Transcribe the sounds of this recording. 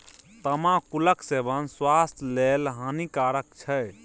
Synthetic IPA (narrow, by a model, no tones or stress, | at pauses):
t̪əmãkuləksebənswast̪ʰlelɦə̃nikaɾəkt͡ʃʰɛj